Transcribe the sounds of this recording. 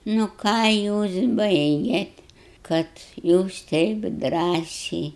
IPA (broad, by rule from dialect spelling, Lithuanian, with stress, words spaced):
nʊ ˈkɑː ˈjuːs ˈbɐɪɡʲeːt kɐt ˈjuːs ˈtʲɛɪp ˈdrɑːsʲɛɪ